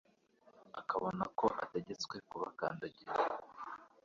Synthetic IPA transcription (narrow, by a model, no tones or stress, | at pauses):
akaβo̞nako̞ʔa̰te̞ɟe̞t͡skwe̞kuβaka̰ːndaɟiɾa